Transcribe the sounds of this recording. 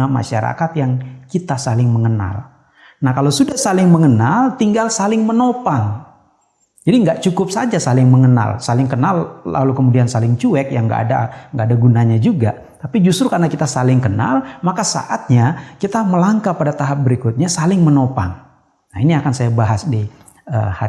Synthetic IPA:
ama̰ʃa̰ɾa̰kat̪jaŋkit̪asalɪŋməŋəna̰l | nahkalawsudahsalɪŋməŋənalt̪iŋɡalsalɪŋmənopaŋ | d͡ʒadiŋɡaʔt͡ʃukʊp̚sad͡ʒasalɪŋməŋəna̰lsalɪŋkənalla̰lukəmudiansalɪŋt͡ʃuɛkjaŋɡa̰ʔːda̰ŋɡaadaɡunaɲad͡ʒuɡa | t̪apid͡ʒust̪ɾukarnakit̪asalɪŋkəna̰lmakasa̰ʔat̪̚ɲakit̪aməlaŋkapadat̪aɦap̚bəɾikʊt̪̚ɲasalɪŋmənopa̰ŋ | nainiakansajabaɦasdi | ə̰ha

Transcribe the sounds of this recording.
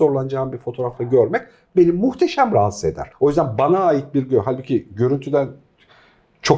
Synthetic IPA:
o̞ɾlˠand͡ʒaːnbiɾfo̞t̪ʰo̞ɾaft̪ʰˠaɟø̞ɾmɛc̚ | be̞nimuht̪ʰeʃæmɾaɦasɯe̞d̪æ̰ɾ̥o̞jyzd̪ænbanaːjit̪̚biɾɟøɦalʲbucʰiɟø̞ɾynt̪ʰyd̪æn | t͡ʃʰo̞

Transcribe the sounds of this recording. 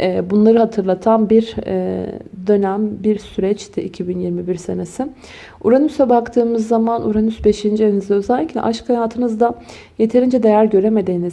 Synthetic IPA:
ɛːbunlˠaɾɯɦat̪ʰɯɾlˠat̪ʰanbiɾɛ̰d̪ø̞næmbiɾsyɾɛt͡ʃt̪ʰɪicʰibinjiɾmibiɾse̞nesɪ | uɾanysɛbakt̪ʰɯːmɯzːamanuɾanysbe̞ʃind͡ʒienizɛøzælʲːicʲlʲɛ̰ʔaʃkʰajaːt̪ʰɯnɯzd̪a | je̞t̪ʰe̞ɾind͡ʒɛd̪ejæɾɟø̞ɾe̞me̞d̪iːniz

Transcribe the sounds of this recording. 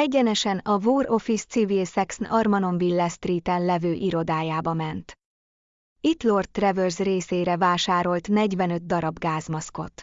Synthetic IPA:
ɛɟːɛnɛʃɛnɒvuːro̞fist̪sivilsɛksnɒrmɒno̞mbilːɛst̪riːt̪ɛnlɛvøːʔiɾo̞d̪aːjaːbɒmɛnt̪ | it̪lo̞rt̪̚ːrɛvørzreːseːɾɛvaːʃaːɾo̞lt̪nɛɟvɛnø̞d̪̚d̪ɒɾɒbɡaːzmɒsko̞t̪

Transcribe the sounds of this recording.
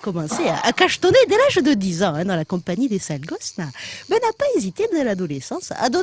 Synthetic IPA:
kɔmɑ̃sea̰ʔakaʃt̪ɔned̪elaʒd̪əd̪izɑ̃ɛ̃d̪ɑ̃lakɔ̃paɲid̪esalɡɔsnabɛnapaezit̪ebd̪ɛlad̪ɔlesɑ̃sa̰d̪ɔ

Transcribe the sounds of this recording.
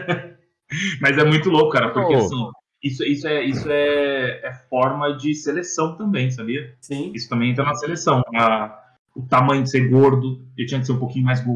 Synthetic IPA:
mɐzɛmũj̃t̪ʊlokʊkaɾɐpoɾkeasĩ | isʊisʊɛisʊɛɛfɔɾmɐd͡ʒɪselesɐ̃w̃t̪ɐ̃mbẽj̃s̬abiɐsĩisʊ̥t̪ɐ̃bẽẽt̪ɾɐnɐselesɐ̃w̃ɛɾɐ | ʊt̪amɐ̃j̃ʊd͡ʒɪseɾɡoɾd̪ʊewt͡ʃĩɲɐkɪ̥seɾũpokĩɲʊmajzɡo

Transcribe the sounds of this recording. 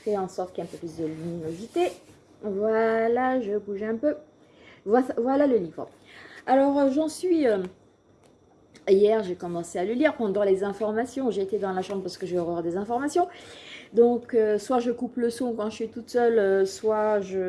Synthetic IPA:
fɛɑ̃sɔʁt̪kɛ̃pøplysd̪əlyninozit̪e | vwalaʒəbuʒɛ̃pø | vwavwalaləlivʁə̰ | alɔʁʒɑ̃sɥiø | jɛʁʒekɔmɑ̃sealəliʁpɑ̃d̪ɑ̃lezɛ̃fɔʁmasjɔ̃ʒeːt̪ed̪ɑ̃laʃɑ̃bʁəpaʁsə̥kəʒəɔʁœʁd̪ezɛ̃fɔʁmasjɔ̃d̪ɔ̃køswaʒəkupləsɔ̃kɑ̃ʒəsɥit̪ut̪sœløswaʒə

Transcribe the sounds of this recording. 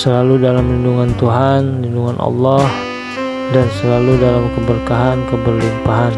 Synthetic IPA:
səlaludalamlinduŋant̪uɦanlinduŋanʔɑ̰lːɑh | dansəlaludalamkəbərkaɦankəbərlimpaɦan

